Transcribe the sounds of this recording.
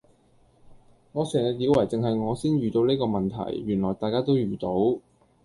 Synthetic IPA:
ŋɔː˨˧sœː˨˩ŋjɐ˨˧t̚jiː˨˧wɐ˨˩jt͡sɪ˨ŋɦɐ˨jŋɔː˨˧siː˥nɥyː˨t̪o˨˥wneː˥kɔː˧mɐ˨nt̪ʰɐ̰˨˩jːyː˨˩nlɔː˨˩jt̪aː˨˧kaː˥t̪o˥wjyː˨t̪o˨˧˥w

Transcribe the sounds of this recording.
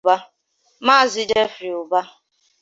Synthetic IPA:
ba˦ | ma˦˨zi˨d͡ʒe˦fɾi˨ʊ˨ba˦

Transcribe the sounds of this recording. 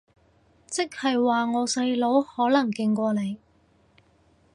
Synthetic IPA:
t͡sɪ˥k̚hɐ˨jwaː˨ŋɔː˨˧sɐ˧jlo˨˥whɔː˨˥lɐ˨˩ŋkɪ˧ŋkʷɔː˧le˨˧j

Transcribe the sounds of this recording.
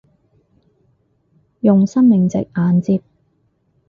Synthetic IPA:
jʊ˨ŋsɐ˥nmɪ˨ŋt͡sɪ̰˨k̚ʔaː˨˧nt͡siː˧p̚

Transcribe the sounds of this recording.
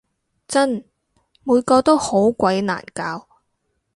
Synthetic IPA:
t͡sɐ˥n | muː˨˧jkɔː˧t̪o˥who˨˥wkʷɐ˨˥jna̰ː˨˩nkaː˨˧w

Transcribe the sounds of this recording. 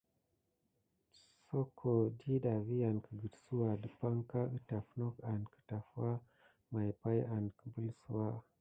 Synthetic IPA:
so˦kʰo˨di˦ɗa˨vi˦a˨nkə˨ɡɨ˨dsu˦wa˨də˦pa˦ŋka˦ɨ˦ta˨fno˦ka˨ndkə̥˨ta˨fwa˦ | ma˨jpa˦ja˨ndkə̥˨bə˦lsu˦wa˦

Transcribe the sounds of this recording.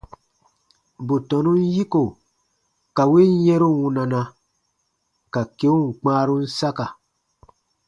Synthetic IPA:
bu˨tɔ̃˨nũ˦n˦ji˦ko˨ | ka˨we˦n˦jɛ̃˦ɾu˦wũ˧na˨na˧ | ka˨ke˦u˦ŋ̩˨k͡pãː˦ɾu˦n̩˦sa˦ka˨

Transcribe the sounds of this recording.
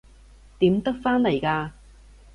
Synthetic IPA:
t̪iː˨˥mt̪ɐ˥k̚faː˥nlɐ˨˩jkaː˧

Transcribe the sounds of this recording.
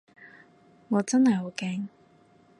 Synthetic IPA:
ŋɔː˨˧t͡sɐ˥nhɐ˨˩jɦo˨˧wkɛː˧ŋ

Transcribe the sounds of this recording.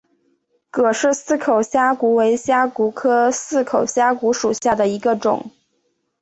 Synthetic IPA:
kɤ˨˩ʂɻ̩˥˩sɹ̩˥kʰo˨˩ʊɕja˥ku˧˥we˧˥ɪɕja˥ku˧˥kʰɤ˥sɹ̩˥˩kʰo˨˩ʊɕja˥ku˧˥ʂu˨˩ɕja˥˩d̪ə˩i˧˥ɡə˧ʈ͡ʂʊ̰˨˩˦ŋ

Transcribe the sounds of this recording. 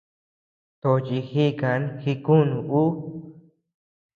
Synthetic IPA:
t̪o˧t͡ʃi˧hi˦ka˨˧˦nxi˧ku˦nũ˧˨ʔu˦

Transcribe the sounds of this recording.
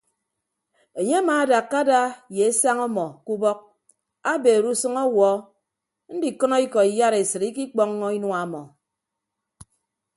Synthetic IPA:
e˨ɲe˦a˦maː˨˦da˨kːa˦da˦je˨e˦sa˦ŋɔ˦mɔ˨ku˦bɔ˦k̚ | a˦be˨ɾu˦sɨ˦ŋɔ˦wɔ˦ | n̩˦di˨kɔ˦nɔ˦i˦kɔ˨i˨ja˦ɾe˨sɨ˨ɾi˦ki˦k͡pɔ˦ŋːɔ˦i˦nwa˨˦mɔ˨

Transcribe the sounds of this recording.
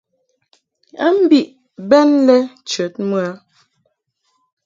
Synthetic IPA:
a̰˦m̩˦bi˦˨ʔ | bɛ˦nlɛ˦t͡ʃə˨˦t̚mu˦a˦

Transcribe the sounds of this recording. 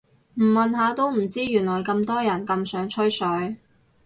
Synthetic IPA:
m̩˨˩mɐ˨nɦaː˨˧t̪o˥˧wm̩˨˩t͡siː˥jyː˨˩nlɔː˨˩jkɐ˧mt̪ɔː˥jɐ˨˩nkɐ˧msœː˨˥ŋt͡ʃʰɵ˥ɥsɵ˨˥ɥ

